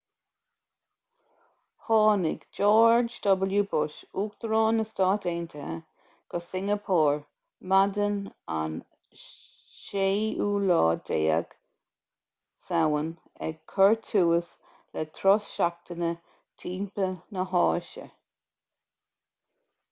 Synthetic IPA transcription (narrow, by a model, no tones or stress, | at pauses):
hɑːnɪ̰ɡd͡ʒɔːɹd͡ʒd̪ɔbəljubʊʃuːk̚d̪̥əɾɑːnəstɑːteːnt̪ʰəhə̰ | ɡ̥əsɪŋəpʰɔːɹ | madəna̰n | ʃeːuːlɑːd̪ḛːə̰ɡ̥ | sawən | ɛ̰ɡ̚kʰɔɹt̪ʰuːəs | lɛt̪ʰɾɔsʃak̚t̪ənə | tʰiːmpənəɦɑːʃə̰